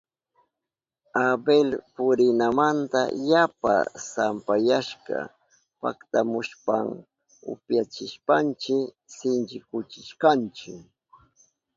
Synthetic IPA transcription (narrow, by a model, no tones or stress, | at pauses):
abelpʊɾɪnamant̪a̰japa̰sampajaʃka̰ | pa̰kt̪amʊʃpaŋ | ʊ̰pjat͡ʃɪʃpant͡ʃɪ | sɪnt͡ʃɪkʊt͡ʃɪʃkant͡ʃɪk